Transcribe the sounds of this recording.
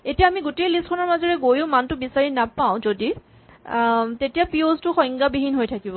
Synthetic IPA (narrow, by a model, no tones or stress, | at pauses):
etijaːmiɡutejlist̚kʰɔnɔɹmazɔɹɛɡojʊmantʊbisaɹinapaʊ̃zodi | tetijapioztʊxɔ̃jŋɡabiɦinɦojtʰakibɔ